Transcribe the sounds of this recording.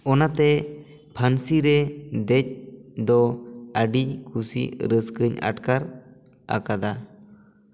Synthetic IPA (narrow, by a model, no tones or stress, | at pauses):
ɔnat̪ɛ | pʰansiɾɛd̪ɛc̚d̪ɔaɖikʰusḭɾəskəɲa̰ʈkaɾ | a̰kad̪a